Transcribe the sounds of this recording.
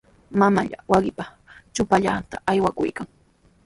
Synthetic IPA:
mamaʎa̰waɢɪpa | t͡ʃʊpaʎat̪aʔajwakʊ̰jkaŋ

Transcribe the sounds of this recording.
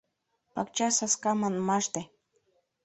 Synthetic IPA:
pɑkt͡ɕɑsɑskɑmɤnmɑʃt̪e

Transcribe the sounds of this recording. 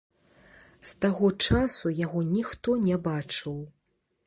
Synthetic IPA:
st̪aɣɔt͡ʂasujaɣɔnʲixt̪ɔnʲɛbat͡ʂɨw

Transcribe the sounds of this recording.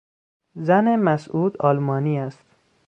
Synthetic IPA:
zænemæsuːd̪ɒːlmɒːniːæst̪

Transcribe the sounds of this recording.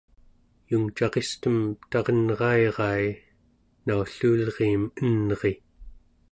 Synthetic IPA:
juŋt͡ʃɑʁest̪əmt̪ɑʁʌnʁɑeʁɑj | nauɬuːlʁiːmənʁe̞

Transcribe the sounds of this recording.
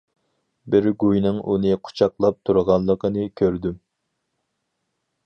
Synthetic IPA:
bɪɾɡujnɨŋʔunɨqʰu̥t͡ʃʰɑqlˠɑp̚t̪ʰuɾʁɑnlˠːəqənɨkʲʰøɾd̪ym

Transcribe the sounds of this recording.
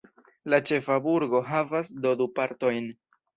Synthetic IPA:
lat͡ʃe̞fabuɾɡo̞ɦavasdo̞dupaɾto̞jn

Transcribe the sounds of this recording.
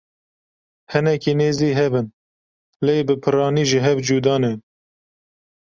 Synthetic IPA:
hɨnɛkineːziːɦɛbɨn | leːbɨpʰɨrɑːniːʒiɦɛvd͡ʒuːd̪ɑːne

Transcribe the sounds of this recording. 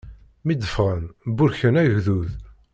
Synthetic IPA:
mid̪ːəfʁənbʊɾçənæʝðuð

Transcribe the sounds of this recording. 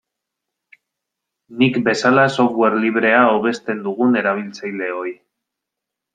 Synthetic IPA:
nikbe̞salaso̞fɣwe̞ɾliβ̞ɾe̞aoβe̞st̪e̞nd̪uɣ̞une̞ɾaβ̞ilt͡sajle̞o̞j

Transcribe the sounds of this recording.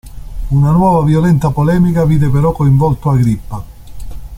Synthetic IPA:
unanwɔːvavjolɛnt̪apolɛːmikaviːd̪epeɾɔkːoiɱvɔlt̪oaɡɾipːa

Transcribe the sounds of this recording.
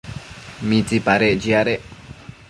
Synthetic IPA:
mit͡sipaɾeʔd͡ʒiaɾeʔ

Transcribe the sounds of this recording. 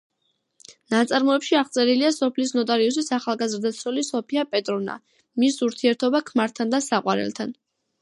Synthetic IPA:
nat̪sʼaɾmɔɛpʃiaʁt̪sʼɛɾiliasɔpʰlisnɔt̪ʼaɾius̬isaχalˠɡazɾd̪at̪sʰɾɔlisɔpʰiapʼɛt̪ʼɾɔna̰ | misuɾt̪ʰiɛɾt̪ʰɔbakʰmaɾt̪ʰand̪asaqʼwa̰ɾɛ̰lˠt̪ʰan

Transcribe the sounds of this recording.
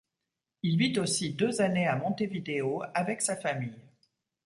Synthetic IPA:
ilvit̪osid̪øzaneamɔ̃t̪evid̪eoavɛksafamij

